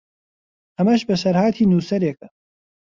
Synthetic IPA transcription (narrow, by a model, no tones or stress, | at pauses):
hɐmɐʃbɐsɐɾhaːt̪ʰiːnuːsɐɾek̚ɐ